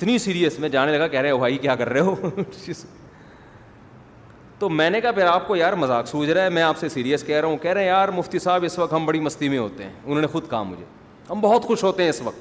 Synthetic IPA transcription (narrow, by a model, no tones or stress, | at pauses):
ɪt̪nisiːɾijəsmɛ̃ːd͡ʒaːnelɐɡakɛɦɾeɦɛ̃bʱaːikjaːkɐɾːeɦoːt͡ʃis | t̪oːmɛ̃ːnekapʰeɾaːp̚kojaːɾmɐzaːksuːd͡ʒɾaːɦɛmɛ̃aːpsesiːɾijəskɛɦɾɐɦũkɛɦɾeɦɛ̃jaːɾmʊft̪isaːbɪsʋɐk̚t̪ɦɐmbɐɽimɐst̪imẽɦo̰ːt̪eɦɛ̰̃ːʊn̤ɦoːnexʊd̪kaːa̰mʊ̰d͡ʒʱḛː | ɦɐmbɔɦɔt̪xʊʃɦoːt̪eɦɛ̃ɪsʋɐk̚t̪